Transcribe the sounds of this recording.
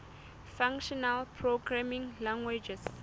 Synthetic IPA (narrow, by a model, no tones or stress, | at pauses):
fãŋkʃɔnalpʰɹoɡɹamĩŋlãŋɡwed͡ʒɛs